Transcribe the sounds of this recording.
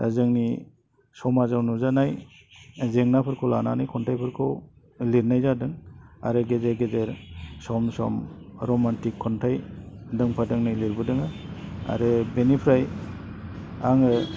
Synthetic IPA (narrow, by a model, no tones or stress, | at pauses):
a̰zɯŋni | sɔmazawnuzanaj | zeŋnapʰɯɾkʰɔla̰na̰najkʰɔntʰajpʰɯɾkʰɔ | liɾnajzadɯŋa̰ɾɯɡezeɾɡezeɾsɔmsɔ̰mɾɔmantikʰːɔntʰajdɯŋpʰadɯŋnajliɾbɯdɯŋaa̰ɾɯbenipʰɾaj | aŋɯ